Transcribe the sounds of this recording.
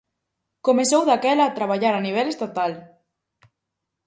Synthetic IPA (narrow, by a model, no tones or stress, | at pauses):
komesowðakɛlaːt̪ɾaβ̞aʎaɾaniβ̞ɛlest̪at̪al